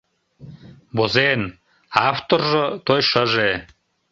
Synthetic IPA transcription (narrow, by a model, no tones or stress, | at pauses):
bozen | aft̪orʒɤ̆t̪ojʃəʒe